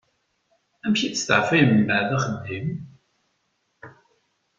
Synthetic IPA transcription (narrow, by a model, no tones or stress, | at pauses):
æmçit͡sːə̥st̪əʕfæjmənːəʕðæχəd̪ːim